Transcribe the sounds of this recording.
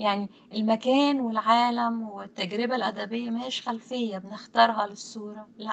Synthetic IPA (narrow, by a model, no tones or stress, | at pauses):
jaʕni | ʔɪlmækæːnwɪlʕaːlæmwɪt̪ːæɡɾɪbælʔæd̪æbejːæmæheːʃxælfejːæbnɪxt̪ɑɾˤɦɑlɪsˤːuːɾˤɑlæʔ